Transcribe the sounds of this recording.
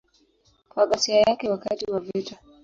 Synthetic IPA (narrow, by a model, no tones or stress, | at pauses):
kwaɠasiajakɛwakatiwavita